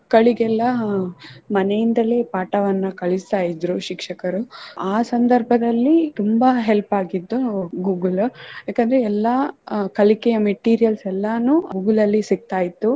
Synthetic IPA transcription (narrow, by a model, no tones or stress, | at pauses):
kɐɭiɡɛlːɐ | mɐnejind̪ɐleːpaːʈɐʋɐnːɐkɐɭist̪aːjid̪ɾuʃikʂɐkɐɾuʔaːsɐnd̪ɐɾbʱɐd̪ɐlːit̪umbɐɦelpaːɡid̪ːuɡuːɡɐljaːkɐnd̪ɐɾeɛlːɐkɐlikɛjɐmeʈiːɾijɐlsɛlːɐnuːɡuːɡɐlɐlːisiɡ̚t̪aːjit̪ːu